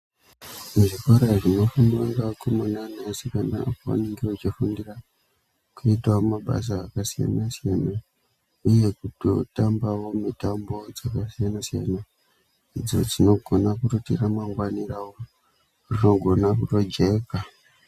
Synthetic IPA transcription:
muʐikoɾaʐino̞funaŋɡakumunanasikanda̰kuwa̰niŋɡirot͡ʃifundira | kuitawomaɓa̰s̬aːkasija̰nasijana | uje̞kutotambawo̞mitambo̞d͡zakasijanasija̰na | id͡zo̞̰d͡zino̞ɡʱo̞nakutotiramaŋɡwanirawo | rino̞ɡʱo̞nakuto̞d͡ʒeka

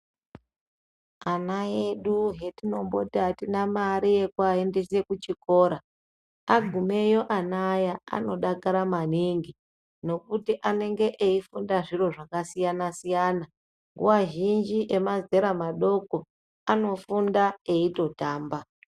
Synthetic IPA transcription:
anaje̞ɗuɦe̞tino̞mbo̞̰tiatinamaɾije̞kwae̞nde̞se̞kut͡ʃiko̞ːɾa | aɡʱume̞jo̞ʔanajaa̰no̞ɗakaɾamaniŋɡi | no̞kutiʔane̞ŋɡe̞ʔeifundaʐiro̞ʐakasijanasijana | ŋɡṵwaʒind͡ʒiʔe̞maze̞ɾamaɗo̞ko̞ | ano̞fundaeito̞taːmba

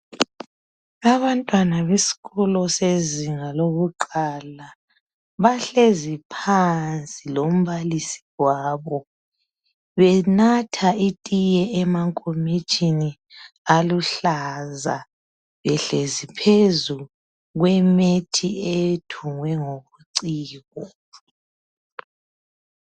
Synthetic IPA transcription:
aβantʼwanaβesi̥ɣɔlɔseziŋaloɣuǃala | βaɬezipʰant͡sʼilom̩βalisi̥waːβɔ | βɛnatʰaitʼijɛɛmaŋkʼomit͡ʃʼini | aluɬaza̰ | βɛɬezipʰezu | ɣwɛmetʰietʰuŋwɛŋoβuǀiːɣɔ

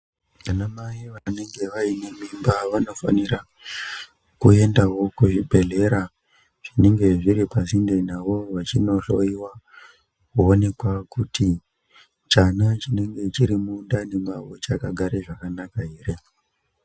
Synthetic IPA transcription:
ʋanamaiʋane̞ŋɡe̞ʋaine̞mimbaʋano̞fa̰niɾa | kue̞ndawo̞kuʐibʱe̞ɮe̞ɾa | ʐ̥ine̞ŋɡe̞ʐiɾipazindenaʋo̞ʋat͡ʃino̞ɬo̞iwa | kuone̞kwakuti | t͡ʃanat͡ʃine̞ŋɡe̞t͡ʃiɾimundane̞maʋot͡ʃakaɡʱaɾeʐakanakaɦeːre

